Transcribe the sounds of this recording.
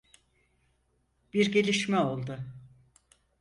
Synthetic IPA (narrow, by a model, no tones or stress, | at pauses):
b̥iɾɟe̞lʲiʃmɛo̞lˠd̪ʊ